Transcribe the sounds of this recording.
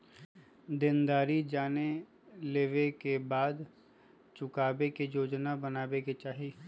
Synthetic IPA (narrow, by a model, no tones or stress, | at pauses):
d̪ɪnd̪aːɾid͡ʒaːne | leːʋekebaːd̪ | t͡ʃʊkaːbekejoːd͡ʒnabɐnaːbeket͡ʃaːɦi